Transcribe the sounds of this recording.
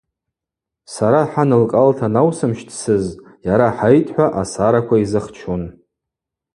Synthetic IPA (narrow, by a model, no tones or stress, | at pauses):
saɾaħanɨlkʼaltʰanawsɨmʃtʰʼsɨz | jaɾaħajtʼħʷaʔasaɾakʷʰaizɨχt͡ʃʰon